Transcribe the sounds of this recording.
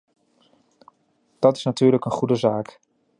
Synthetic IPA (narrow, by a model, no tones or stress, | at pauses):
d̥ɑtɪ̥snatyːɹləkənχudəzaːk